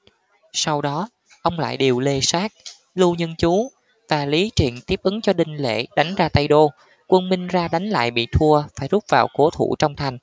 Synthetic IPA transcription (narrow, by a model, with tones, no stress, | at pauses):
sa˧wɗɔ˨˦ | ʔə˧wŋ͡mla̰ː˧˨jɗe˨˩wle˧saː˦˥k̚ | lu˧ɲə˧nt͡ɕu˨˦ | vaː˨˩li˨˦t͡ɕḭ˧˨ənt̪i˦˥əp̚ʔɨ˨˦ŋt͡ɕɔ˧ɗï˨˩ŋ̟lḛ˧˨ɗa˨˦jŋ̟zaː˧t̪a˧jɗo˧ | kwə˧nmï˧ŋ̟zaː˧ɗa˨˦jŋ̟la̰ː˧˨jɓḭ˧˨t̪ʰu˧əfaː˧˩jzu˦˥p̚vaː˨˩wko˨˦t̪ʰṵ˧˩t͡ɕɔ˧wŋ͡mt̪ʰa˨˩jŋ̟